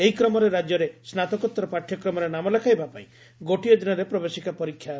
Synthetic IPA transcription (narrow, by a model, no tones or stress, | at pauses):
eɦikɾɔmɔɾeɾad͡ʒjɔɾesnat̪ɔkɔt̪ːɾɔpaʈʰjɔkɾɔmɔɾenamɔlakʰajbapaĩ | ɡoʈijɔd̪inɔɾepɾɔbesikapɔɾikʰːja